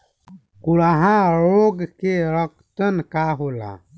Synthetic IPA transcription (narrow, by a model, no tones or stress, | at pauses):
kulaːɦãɾoːɡkeɾəkt̪ənkaːɦoːla̰ː